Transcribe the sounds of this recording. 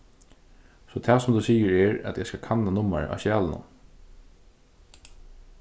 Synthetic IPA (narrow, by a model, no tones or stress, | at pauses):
sɔt̪ʰɛːsɔmd̪ʉsiːəɹɛɹɛ̰t̪jɛskakʰanːanʊmːa̰ɹ̰ʔa̰ʃjæːlnʊ̰m